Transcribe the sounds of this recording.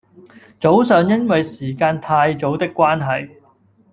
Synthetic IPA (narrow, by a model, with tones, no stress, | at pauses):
t͡so˨˥wsœː˨ŋjɐ˥nwɐ˨jsiː˨˩kaː˧nt̪ʰaː˧jt͡so˨˥wt̪ɪ˥kːwaː˥nɦɐ˨j